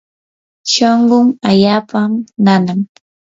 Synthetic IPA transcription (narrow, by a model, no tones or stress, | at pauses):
ʃoɴɢʊŋaʎaːpamnanam